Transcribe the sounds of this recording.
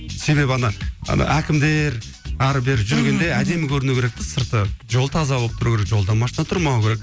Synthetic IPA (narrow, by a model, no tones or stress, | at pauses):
se̞βe̞bɪɑnɑɑ̰nɑ̰ʔækʲɪmd̪e̞ɾ | ɑɾbe̞ɾɪʒʏɾɡʲe̞nd̪e̞æd̪e̞mɪkʲʰɵɾɪnukʲeɾek̚t̪ɪsəɾt̪əʒo̞lˠt̪ʰɑzɑolˠəp̚t̪ʰʊɾukʲeɾekʒo̞lˠd̪ɑnmɑʃnɑt̪ʰʊɾmɑwkʲʰeɾek̚